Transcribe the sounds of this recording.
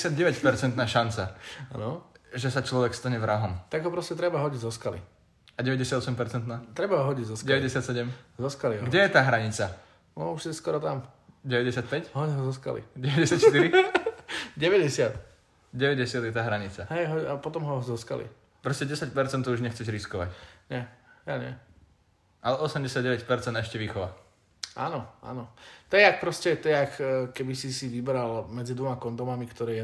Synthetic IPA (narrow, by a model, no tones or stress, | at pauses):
sad̪̚ɟɛʋɛcpɛɾt͡sɛnt̪naːʃant͡saa̰nɔʒɛsat͡ʃlɔʋɛkst̪aɲɛvɾaɦɔmt̪aɡɦɔpɾɔscɛt̪ɾɛbaɦɔɟiɟzɔskalḭ | aɟɛʋɛɟɛsjad̪ɔsɛmpɛɾt͡sɛnt̪naːt̪ɾɛbaɦɔɦɔɟiɟzɔsɟɛʋɛɟɛsɪat̪sɛɟɛmzɔskaliɡɟɛjɛt̪aːɦɾaɲit͡sa | ɔuʃɛskɔɾɔt̪am | ɟɛʋɛɟɛsɪat̪̚pɛcɦɔɦɔzɔska̰lḭɟɛʋɛɟɛsjat̪ʃt̪iɾi | ɟɛʋɛɟɛsɪat̪ | ɟɛʋɛɟɛsɪad̪jɛt̪aːɦɾaɲit͡saɦɛjɦɔapɔt̪ɔmɦɔzɔska̰lḭ | pɾɔscɛɟɛsac̚pɛɾt͡sɛnt̪ːɔuʒɲɛxt͡sɛcɾiskɔʋa̰cɲɛaɲɛ̰ | ʔalɛʔɔsɛmɟɛsɪaɟɟɛʋɛcpɛɾt͡sɛnd̪ɛʃcɛʋiːxɔʋa | ʔa̰ːnɔa̰nɔt̪ɛak̚pɾɔscɛt̪ɔjɛakːkɛbisisiʋibɾalmɛd͡zid̪ʋɔmakɔnd̪ɔmamikt̪ɔɾɛːjɛ